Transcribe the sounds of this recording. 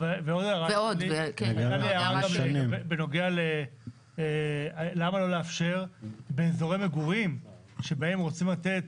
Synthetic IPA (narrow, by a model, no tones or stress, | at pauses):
veveodaʁaoliaaliaʁaɡamnbebeno̞ɡeale | lamalo̞leafʃe̞ʁbeːzo̞ʁemeɡuʁim | ʃebae̞mʁo̞t͡simlat̪et̪